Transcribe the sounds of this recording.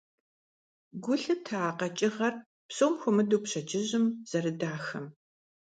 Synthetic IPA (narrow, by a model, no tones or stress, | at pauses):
ɡʷʊɬɨtʰaːqɐt͡ʃʼɪʁɐr | psoːmxʷʊmɨduːpɕɐd͡ʒʼɪʑɪmz̥ɐrɨdaːxɐm